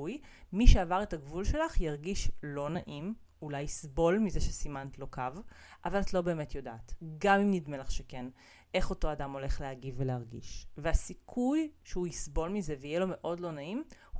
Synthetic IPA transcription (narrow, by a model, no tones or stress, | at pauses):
uj | miʃeavaʁetaɡvulʃe̞laχjaʁɡiʃlo̞naʔim | ulajisbo̞lmizeʃesimantlo̞kav | ʔavalatlo̞be̞ːme̞tjo̞daːtɡamimnidmelaχʃeken | ʔe̞χo̞to̞adamo̞le̞χleaɡivːeleaʁɡḭʃveasikʰujʃeuisbo̞lmizeveijelo̞me̞ʔo̞dlo̞naimh